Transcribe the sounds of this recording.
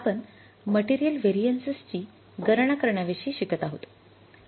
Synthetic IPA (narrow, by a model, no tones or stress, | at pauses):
apən | məʈiɾijəlʋeɾijənsəst͡ɕiː | ɡəɾɳakəɾɳjaʋeɕiːɕikət̪aɦot̪